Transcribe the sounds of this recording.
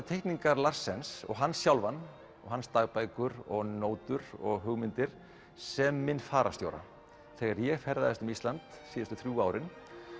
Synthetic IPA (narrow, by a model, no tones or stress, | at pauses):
t̪ʰejht̪niŋkaɾlar̥sːɛnsɔ̰ɣɦanːsjawlvanː | ɔɣɦanst̪aɣpaːjkʏɾɔɣnoːwt̪ʏɾɔ̰ɣɦʏɣmɪnt̪ɪɾ̥ | sɛmːɪnːfaːɾa̰st̪joːwɾa̰ | θɛɣaɾjɛɣfɛɾðaðɛst̪ʏmist̪lant̪siːðʏst̪ʏθɾjuːaːwɾɪn